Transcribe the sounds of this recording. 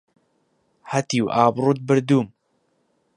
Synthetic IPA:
hɐt̪iwʔaːbɾut̪̚bɨɾd̪uːm

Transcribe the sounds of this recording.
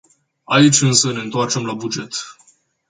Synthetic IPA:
ait͡ʃʲɨnsəne̞ɨnt̪oart͡ʃe̞mlabud͡ʒe̞t̪

